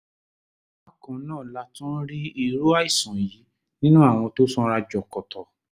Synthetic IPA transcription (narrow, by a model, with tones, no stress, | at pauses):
a˨kɔ̃˨˦nãː˦˨la˧tũ˦ɾi˦i˨˧ɾo˦a˦i˦˨sɔ̃˨ji˨˦ | nĩ˦nũ˦a˦˨w̃ɔ̃˧to˦sɔ̃˦ɾa˧d͡ʒɔ˨kɔ˨tʰɔ˨